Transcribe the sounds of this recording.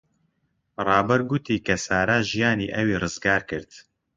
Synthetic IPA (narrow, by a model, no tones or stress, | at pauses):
rˤɑːbɛɾɡʊt̪ʰiːkɐsaːɾaːʒijaːniːʔɛwiːrɨzɡaːɾkɨɾd̪